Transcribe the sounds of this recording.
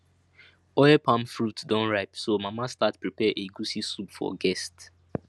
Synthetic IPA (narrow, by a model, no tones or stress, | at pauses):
ɔɛpãmfɹutdɔ̃nɹaɪpsomamastatpɹipɛʔeɡusisupfɔ̰ɡɛst